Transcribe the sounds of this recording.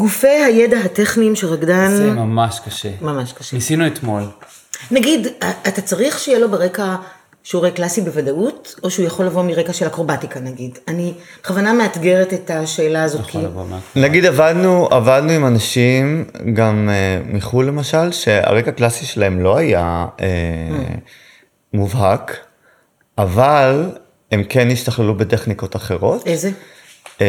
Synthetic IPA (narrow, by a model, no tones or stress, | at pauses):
ɡufe̞jhajedaɦateχnimʃeʁaɡdanmamaʃkɐʃemamaʃkḁʃenisinuet̪mol | naɡidatat͡saʁiχʃejelo̞beʁe̞ka | ʃeuʁejklasibevadauto̞ʃeujaχo̞lːavo̞miʁe̞kaʃe̞lakʁo̞batikanaɡidanibeχavanameat̪ɡe̞ʁetetaʃe̞ːlaːzokʰinaɡid̪avadnuavadnuimanaʃimɡameːiχulːe̞maʃalʃe̞a̰ʁe̞kaklasiʃelaɦe̞mlo̞aja̰e | muvɦak | ʔaval | e̞mke̞niʃtaχlelube̞teχniko̞taχe̞ʁo̞teze